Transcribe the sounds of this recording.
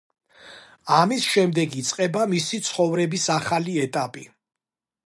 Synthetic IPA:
amisʃɛmd̪ɛɡit̪sʼqʼɛbamisit̪sʰχɔvɾɛbisaχaliɛt̪ʼapʼi

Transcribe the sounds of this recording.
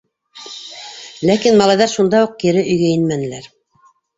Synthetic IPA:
lækinmɑlˠɑjðɑɾʃund̪ɑuq̚kiɾɘʔɵ̆jɡæjɘnmænɘ̆læɾ

